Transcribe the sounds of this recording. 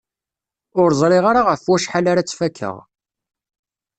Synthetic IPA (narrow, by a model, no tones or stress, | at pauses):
ʊɾzˤɾˤɪʁaɾaʁəfwæʃħalaɾat͡sːfækʰːə̰ʁ